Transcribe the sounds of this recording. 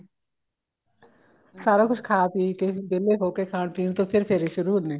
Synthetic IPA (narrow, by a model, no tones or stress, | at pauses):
saːɾaːkʊt͡ʃʰkʰaːpik̪eb̪eleɦoːkekʰaːɳp̪iːnt̪oːpʰɪɾpʰɪɾiʃʊɾuːnẽː